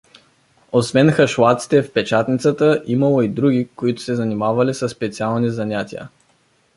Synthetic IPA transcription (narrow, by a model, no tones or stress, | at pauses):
osvɛnxɐʃlat̪si̥t̪ɛfpɛt͡ʃat̪nit̪sət̪əʔimɐlˠoid̪ɾuɡʲikoit̪ʊ̥sɛzɐnimavɐlisəsːpɛt̪sialˠnizɐnʲat̪ʲiə̰